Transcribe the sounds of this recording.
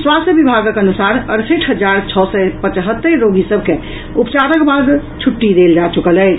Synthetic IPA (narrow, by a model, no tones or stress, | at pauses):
swast̪jəbibʱaɡəkənusaɾəɾseʈʰɦəd͡ʒaɾt͡ʃʰɔsɛpət͡ʃɦət̪ːəɾːoɡisəbʱke | upt͡ʃaɾəkbad̪t͡ʃʰuʈːid̪eld͡ʒat͡ʃukəlɛt͡ʃ